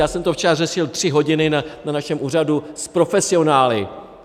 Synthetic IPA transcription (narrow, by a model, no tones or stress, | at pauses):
jaːsɛmt̪oft͡ʃɛɾarɛʃɪlt̪r̝̥ɪɦo̞ɟɪnɪnananaʃɛmʔuːr̝aduspɾo̞fɛsɪo̞naːlɪ